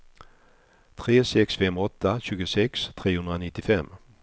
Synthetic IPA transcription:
t̪ʰɾeːsɛksfɛmɔt̪ːaɕʉ̟ːɡəsɛkst̪ʰɾeːhɵnɾanɪt̪ːɪfɛmː

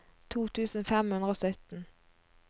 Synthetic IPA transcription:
t̪ʰuːt̪ʰʉːsn̩fɛmhʉnd̪ʁəoːsœt̪n̩

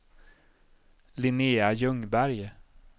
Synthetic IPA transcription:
lɪneːajɵŋbæɾj

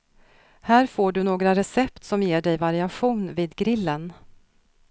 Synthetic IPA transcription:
hæːɾfoːɖɵnoːɡɾaɾɛsɛp̚t̪sɔmjeːɖɛjvaɾɪaɧuːnviːd̪ɡɾɪlːən

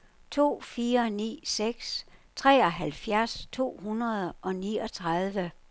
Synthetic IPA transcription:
t͡sʰo̝̰ːfiːɐnḭːseɡ̥st͡sʰʁɛ̰ɒ̽ɦælfjæɐst͡sʰo̝̰ːhunɐð̞ˠʔɒ̽niːɒ̽t͡sʰʁɑð̞ˠʋə

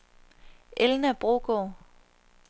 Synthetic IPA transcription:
ʔelnæb̥ʁo̝ːɡ̥o

